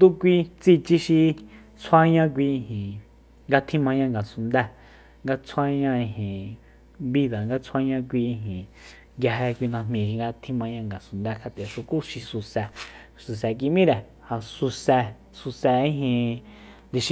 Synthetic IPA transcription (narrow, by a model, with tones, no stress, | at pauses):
d̪u˦kʷi˧t͡si˧t͡ʃi˧ʃi˧ | t͡sʰwa˧ɲã˦˧k̬ʷi˧ĩ˧ɦĩ˨ | ŋɡa˧t̪ʰĩ˦mã˧ɲã˧ŋɡa˨su˧nd̪ɛ˧ | ŋɡa˧t͡sʰwa˧ɲã˦˧ĩ˧ɦĩ˨ | βi˧ða˨ŋɡa˧t͡sʰa˧ɲã˧k̬ʷi˧ĩ˧ɦĩ˨ | ŋɡja˧ɦe˧kʷi˧nã˧m̥mĩ˧˨ʃi˧ŋɡa˧t̪ʰĩ˧mã˧ɲã˧ŋɡa˨su˧˨nd̪ɛ˧kʰa˧t̪e˨ʂu˧ku˦ʃi˧su˧sɛ˧ | su˨s̬ɛ˨k̬i˧mĩ˦ɾe˨ | ha˨su˧sɛ˧ | su˧sɛ˧ĩ˦ɦĩ˧ | d̪i˧ʃ